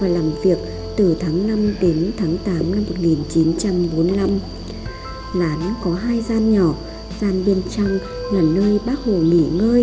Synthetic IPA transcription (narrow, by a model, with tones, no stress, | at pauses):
vaː˨˩laː˨˩mvi˨˩ək̚ | t̪ɨ˨˩t̪ʰaː˨˦ŋna˧mɗe˨˦nt̪ʰaː˨˦ŋt̪aː˨˦mna˧mːo˨˩t̚ŋi˨˩nt͡ɕi˨˦nt͡ɕa˧mɓo˨˦nla˧m | laː˨˦n˧kɔ˨˦ɦaː˧jzaː˧nɲɔ˧˩ | zaː˧nɓe˧nt͡ɕa˧ŋ | laː˨˩nəː˧jɓaː˦˥k̚ho˧˩ŋḭ˧˩ŋəː˧j